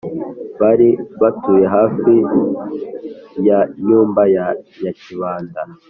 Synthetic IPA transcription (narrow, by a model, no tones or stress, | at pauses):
βaɾiβatujeɦaːfi | jaɲuːmbajajaciβaːnda